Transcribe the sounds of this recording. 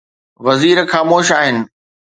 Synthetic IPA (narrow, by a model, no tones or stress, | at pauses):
ʋɐziːɾxaːmoːʃaːɦɪnɪ̆